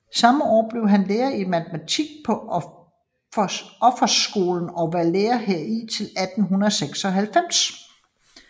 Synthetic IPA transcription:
sɑ̈məɒ̰ːb̥le̝ʊɦænleːɐimæt͡sʰəmæt͡sʰiɡ̥̚pʰɒ̽ | ɒ̽fɐsɡ̥o̝ːln̩ɒ̽ʋæɐleːɐheɐ̰it͡sʰe̝læd̥n̩ɦunɐð̩ˠseɡ̥sɒ̽ɦælfem̰s

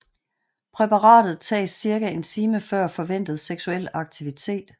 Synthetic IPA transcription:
pʰʁɛpʰɑʁɑ̰̈ːd̥ð̞̩ˠt͡sʰɛ̰ːɪsːiɐɡ̥æe̝nt͡sʰiːməfɶɐ̰fɒ̽ʋen̰d̥ð̞̩ˠseɡ̥suel̰ɑ̈ɡ̥̚t͡sʰiʋit͡sʰe̝̰ːd̥

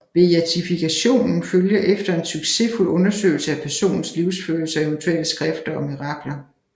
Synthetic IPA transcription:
ʋe̝æt͡sʰifikʰæɕo̝̰ːnn̩føljɐʔefd̥ɐe̝nsyɡ̥se̝ful̰ɔ̽nɐsø̰ːɪl̩səæpʰæɐso̝̰ːnn̩sliʊsføːɐl̩sɐæeʊnt͡sʰuel̰əsɡ̥ʁɛfd̥ɐɒ̽miʁɑ̈ɡ̥lɐ

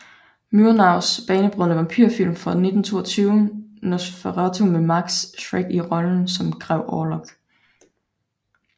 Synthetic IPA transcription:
myɐnɑ̈ʊ̰sb̥ɛːnəb̥ʁɔəʋɑ̈mpʰy̰ɐ̰fil̰mfɒ̽ne̝d̥n̩t͡sʰo̝̰ːɐt͡sʰyːʊnosfeʁɑt͡sʰomemɑ̈ɡ̥sɕʁeɡ̥iʁɒ̽ln̩sɒ̽mɡ̥ʰʁɛʊʔɒːlɔ̽ɡ̥

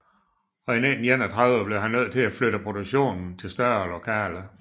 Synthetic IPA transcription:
ɒ̽enenn̩jen̰æt͡sʰʁɑʊðəb̥le̝ʊɦænːøð̞̰ˠt͡sʰe̝læfløɾ̥əpʰʁo̝ɾuɡ̥ɕo̝̰ːnn̩t͡sʰe̝lsd̥ɶɐlo̝kʰɛ̰ːlə

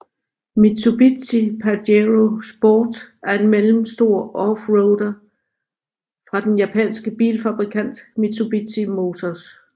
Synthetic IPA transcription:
mit͡sʰub̥it͡sipʰædeʁosb̥oːd̥æɐe̝nmelm̩sd̥o̝ɐ̰ʔɒfʁɔʊd̥ɐ | fʁɑ̈d̥enjæpʰɛ̰nsɡ̥əb̥ḭːlfæb̥ʁikʰæn̰d̥mit͡sʰub̥it͡sʰimo̝t͡sʰɒs

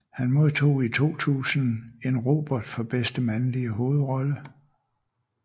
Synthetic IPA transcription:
hænmo̝ð̞ˠt͡sʰo̝̰ːit͡sʰo̝̰ːt͡sʰṵːsn̩e̝nʁo̝ːb̥ɒd̥fɒ̽b̥esd̥əmænliəɦo̝ːð̞̩ˠʁɒ̽lə

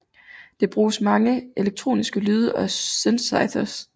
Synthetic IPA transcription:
d̥e̝b̥ʁuːsmɑ̈ŋəʔe̝leɡ̥̚t͡sʰʁo̝̰ːnisɡ̥əlyːð̞ˠɐʔɒ̽sensɑ̈ɪdɐs

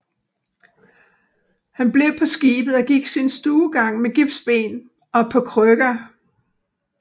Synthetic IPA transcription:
hænb̥le̝pʰɒ̽sɡ̥ḭːb̥ð̩ˠɒ̽ɡ̥iɡ̥sinsd̥uːɡ̥ɑ̈ŋ̰meɡ̥ib̥sb̥e̝̰ːn | ɒ̽pʰɒ̽kʰʁœɡ̥ɐ

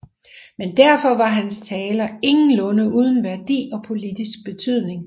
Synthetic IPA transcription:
mend̥æɐ̰fɒ̽ʋɑ̈ɦænst͡sʰɛːlɐe̝ŋn̩lɔ̽nəuːð̞ˠn̩ʋæɐd̥ḭːɒ̽pʰo̝lid̥isɡ̥̚b̥e̝t͡sʰyð̞̰ˠne̝ŋ

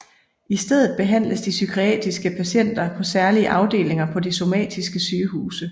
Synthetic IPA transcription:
isd̥eð̞̰ˠð̞̩ˠb̥e̝ɦæn̰ləsd̥isykʰʁiɛ̰ːd̥isɡ̥əpʰæɕen̰d̥ɐpʰɒ̽sæɐliəʔɑ̈ʊd̥e̝̰ːle̝ŋɐpʰɒ̽d̥iso̝mɛ̰ːd̥isɡ̥əsyːɦuːsə

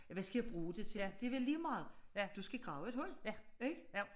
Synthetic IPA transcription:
jʋæsɡ̥æjɑ̈b̥ʁuːd̥e̝t͡sʰe̝jæd̥e̝ɐʋelːiːmɑ̈ːð̩ˠjæd̥usɡ̥æɡ̥ʁɑ̈ʊe̝d̥hɔ̽l̰jæeɡ̥jo

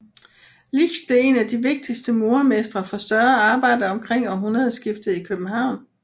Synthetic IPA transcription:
liçd̥̚b̥le̝e̝næd̥iʋe̝ɡ̥̚d̥isd̥əmo̝ːɐmesd̥ʁɐfɒ̽sd̥ɶɐɑ̈ːb̥ɑ̈ɪ̰dəɒ̽mkʰʁeŋ̰ɒɦunɐðˠsɡ̥ifd̥ð̩ˠikʰøb̥n̩ɦɑ̈ʊ̰n

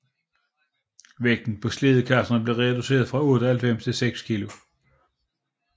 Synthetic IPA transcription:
ʋeɡ̥̚d̥n̩pʰɒ̽sle̝ð̞ˠkʰæɐsɐnəb̥le̝ʁɛd̥use̝̰ːɐðˠfʁɑ̈ɔ̽ːd̥əɒhælfem̰st͡sʰe̝lseɡ̥skʰilo̝

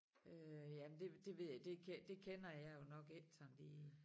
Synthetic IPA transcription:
øjæmnd̥e̝d̥e̝ʋe̝ð̰ˠjad̥e̝kʰed̥e̝kʰenɐjɑ̈jo̝nɒ̽ɡ̥el̰sʰɒmliː

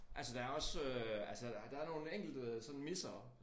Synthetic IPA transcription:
ʔælsəd̥ɑæɐɒ̽søælsə̥d̥ɑ̈æɐno̝ːn̩eŋ̰ɡ̥l̩d̥əsɒ̥̽n̩misɐː

